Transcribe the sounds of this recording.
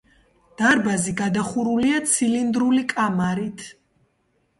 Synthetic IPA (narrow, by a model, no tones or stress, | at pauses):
d̪̥aɾbaziɡad̪aχuɾuliat̪sʰilind̪ɾulikʼamaɾit̪ʰ